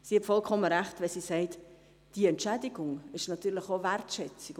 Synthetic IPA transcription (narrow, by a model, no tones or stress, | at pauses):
sihɛtfɔlkʰɔməɾæχtʋɛsisɛɪt | d̥iɛntt͡ʃædɪɡʊŋɪʃnɑt̪yːɾlɪχovæɾtʃɛt͡sɪk